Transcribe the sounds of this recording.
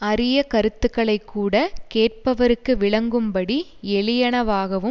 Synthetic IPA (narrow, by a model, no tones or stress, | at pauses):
ɐɾɪjɐkɐɾɯt̪ːɯkːɐɭɐɪkːuːɽɐkeːʈ̚pɐʋɐɾɯkːɯʋɪɭɐŋɡɯmpɐɽiɛɭɪjɐɳɐʋaːɣɐʋɯ